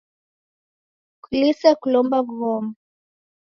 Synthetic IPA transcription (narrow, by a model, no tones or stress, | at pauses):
kulisakulɔmbaɡɣɔma